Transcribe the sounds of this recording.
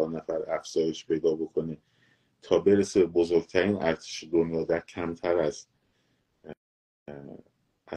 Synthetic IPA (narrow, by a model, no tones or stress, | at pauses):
ɒɾnæfæɾæfz̥ɒːje̞ʃpʰe̞jd̪ɒːbo̞kʰo̞ne | t̪ʰɒːbe̞ɾesebebozoɾɡ̥̚t̪ʰæɾiːnʔæɾt̪ʰe̥ʃed̪onjɒːd̪æɾcʰæmt̪ʰæɾæz | æ